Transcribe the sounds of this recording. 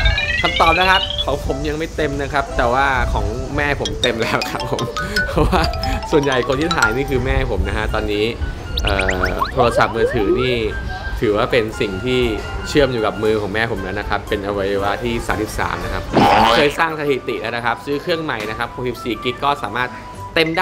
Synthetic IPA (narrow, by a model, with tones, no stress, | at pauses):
kʰa˧˩mt̪ɔː˨˩p̚na˦˥kʰa˦˥p̚ʰɔ˨˦wpʰo˩˦mja˧ŋma˥˩jt̪e˧mna˦˥kʰa˦˥p̚t̪ɛː˨˩waː˥˩kʰɔː˩˦ŋ | mɛː˥˩pʰo˩˦mt̪e˧mlɛː˦˥wkʰa˦˥pʰːo˩˦mpʰɔ˦˥waː˥˩su˨˩ənja˨˩jkʰo˧nt̪ʰiː˥˩t̪ʰaː˩˦jniː˥˩kʰɯː˧mɛː˥˩pʰo˩˦mna˦˥kʰa˦˥t̪ɔː˧nːiː˦˥ | ʔɤː˨˩t̪ʰoː˧ɾa˧sa˨˩p̚mɯː˧t̪ʰɯː˩˦niː˥˩ | t̪ʰɯː˩˦waː˥˩pe˧nsi˨˩ŋt̪ʰiː˥˩t͡ɕʰɯ˥˩əmjuː˨˩ka˨˩p̚mɯː˧kʰɔː˩˦ŋmɛː˥˩pʰo˩˦mna˦˥nːa˦˥kʰa˦˥pːe˧nʔa˧wa˧ja˧waː˧t̪ʰiː˥˩sa̰ː˩˦msi˨˩p̚sa̰ː˩˦mna˦˥kʰa˦˥p̚kʰɤː˧jsaː˥˩ŋsa˧t̪ʰi˨˩t̪ḭ˨˩ʔnaː˦˥na˦˥˩kʰa˦˥p̚sɯː˦˥kʰɾɯ˥˩əŋma˨˩jna˦˥kʰa˦˥p̚ʰːoː˧si˨˩p̚siː˨˩ki˦˥kːɔː˥˩saː˩˦maː˥˩t̪̚ː | e˧mdaː˥